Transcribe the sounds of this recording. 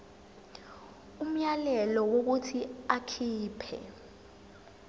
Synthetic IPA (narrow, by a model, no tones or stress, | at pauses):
um̩jalɛlɔwok̬utʰiakʰiːpʰɛ̰